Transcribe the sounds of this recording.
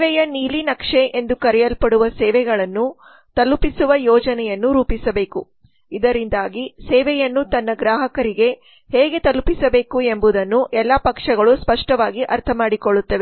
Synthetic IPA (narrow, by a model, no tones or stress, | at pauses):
ʋɛjɐniːlinɐkʂeʔe̞nd̪ukɐɾɛjɐlpɐɽuʋɐsɛːʋɛɡɐɭɐnːu | t̪ɐlupisuʋɐjɔːd͡ʒɐnɛjɐnːuɾuːpisɐbeːku | id̪ɐɾind̪aːɡisɛːʋɛjɐnːut̪ɐnːɐɡɾaːɦɐkɐɾiɡe̞ | heːɡe̞t̪ɐlupisɐbe̞ːkue̞mbud̪ɐnːuʔɛlːɐpɐkʂɐɡɐɭuspɐʂʈɐʋaːɡiʔɐɾt̪ʰɐmaːɽikoɭːut̪ːɐʋe